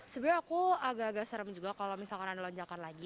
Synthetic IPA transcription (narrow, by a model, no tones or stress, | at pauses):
səbiɾakuaɡaʔɡaʔsəɾəmd͡ʒuɡakalomisalkananlɔɲd͡ʒakanlaɡi